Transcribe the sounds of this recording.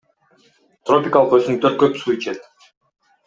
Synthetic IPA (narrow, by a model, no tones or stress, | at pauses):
t̪ro̞pʲɪkalˠəqøsynt̪ʰøɾt̪̚køpsuit͡ʃet̪